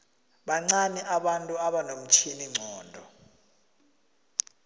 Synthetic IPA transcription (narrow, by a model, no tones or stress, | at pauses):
ɓaŋ͡ǀaniʔaɓantʼuaɓanom̩t͡ʃʰiniŋ͡ǀʱɔːndʱɔ